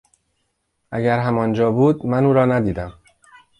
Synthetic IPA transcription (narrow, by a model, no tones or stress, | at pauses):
ʔæɟæɾɦæmɒːnd͡ʒɒːbuːd̪̚mænuːɾɒːnæd̪iːd̪æm